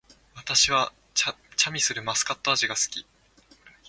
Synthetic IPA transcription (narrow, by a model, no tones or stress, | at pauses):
βat̪aɕiβa | t͡ɕamʲisɨɾɯ̟masɨ̥kat̪ːoaʑiɡasɨ̥kʲi